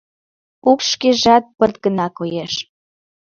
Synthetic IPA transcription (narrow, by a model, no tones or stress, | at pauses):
ukʃkeʒɑt̪̚pərt̪̚ɡənɑkojeʃ